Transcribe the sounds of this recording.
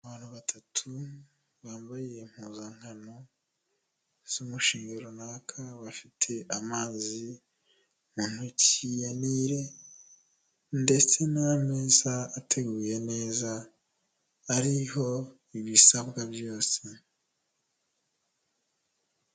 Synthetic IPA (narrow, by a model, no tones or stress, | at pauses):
aβaːn̥huβatʰatʰu | βaːmbajjem̥huːzaŋ̥hano̞ | z̥umuʃiːŋɡeɾonaːkʰaβafitʰe̞ʔamaːzi | muːn̥hucijaniːɾe̞ | nde̞t͡se̞name̞ːz̥aːtʰe̞ɡuːje̞ne̞ːza | ɾiho̞ | iβisaβɡabjo̞ːse